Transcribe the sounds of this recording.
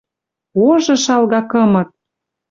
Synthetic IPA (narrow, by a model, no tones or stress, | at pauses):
oʒɤ̆ʃɑlɣɑkɤ̆mɤ̆t̪̚